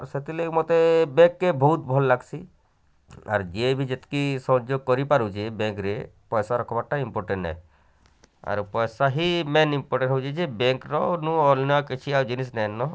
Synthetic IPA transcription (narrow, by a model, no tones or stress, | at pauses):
ɾset̪ilekmot̪ebekːebʱɔut̪bʱɔlːaɡsʰi | a̰ɾd͡ʒiebʱid͡ʒet̪i̥kisɔ̃d͡ʒoɡ̚kɔɾipaɾut͡ʃʰiebẽŋkɾepɔjsaɾɔkʰɔbaʈaimpoɾʈeɳʈɛ̰ | a̰ɾpɔjsaɦimenimpoɾʈẽɳʈɦɔwt͡ʃʰid͡ʒebeŋkɾɔnũɔlnɔaket͡ʃʰiaɾd͡ʒinis̬nɛnːɔ